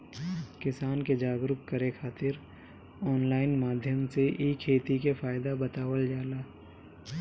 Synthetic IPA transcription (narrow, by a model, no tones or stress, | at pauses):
kɪsaːnked͡ʒaːɡɾʊkkəɾekʰaːt̪ɪɾ | ɔːnlaːɪnmaːd̪ʱjəmseʔiːkʰeːt̪ikefaːɪd̪abət̪aːwəld͡ʒaːlaː